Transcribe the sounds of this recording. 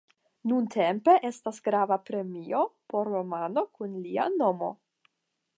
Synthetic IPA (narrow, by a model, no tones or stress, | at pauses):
nuntʰe̞mpe̞ʔe̞stasɡɾavapɾe̞mio̞po̞ɾːo̞mano̞kunlia̰no̞mo̞